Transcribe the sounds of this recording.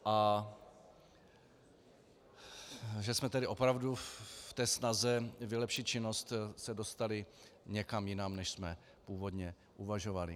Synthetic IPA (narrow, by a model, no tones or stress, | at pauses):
ʔa | ʒɛsmɛt̪ɛdɪʔo̞pɾavduft̪ɛːsnazɛvɪlɛpʃɪt̪̚t͡ʃɪno̞st̪sɛdo̞st̪alɪɲɛkamjɪnamnɛʃsmɛ | puːvo̞dɲɛ | ʔuvaʒo̞valɪ